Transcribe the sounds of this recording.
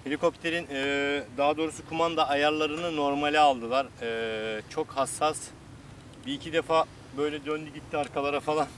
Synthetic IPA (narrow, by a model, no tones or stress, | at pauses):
helʲikʰo̞p̚t̪ʰe̞ɾinɛd̪aɦad̪o̞ːɾusukʰumand̪aːjaɾlˠaɾɯnɯno̞ɾmalʲialˠd̪ɯlˠaɾɯːt͡ʃʰo̞khasːas | biːcʰid̪e̞faː | bø̞jlʲɛd̪ønd̪yɟit̪ʰːiaɾkʰalˠaɾafalˠan